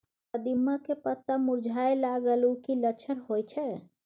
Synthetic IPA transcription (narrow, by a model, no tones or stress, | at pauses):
pəd̪imːakepət̪ːamuɾd͡ʒʱajlaɡəlukilət͡ʃʰənɦojt͡ʃʰɛ